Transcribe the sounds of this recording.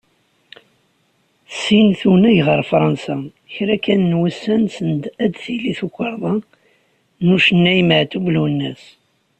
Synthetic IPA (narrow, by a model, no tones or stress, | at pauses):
θsinθunæjʁəɾˤfɾˤɑnsæ | çɾækænːwæsːænsənd̪æd̪θiliθukʷːəɾˤðˤɑ | nuʃənːæjməʕt̪ublunːæs